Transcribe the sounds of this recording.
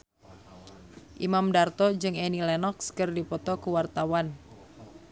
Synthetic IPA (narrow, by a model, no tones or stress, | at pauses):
ʔimamdart̪ɔd͡ʒɨŋɛnilɛnɔkskɨrdipɔt̪ɔkuwart̪awan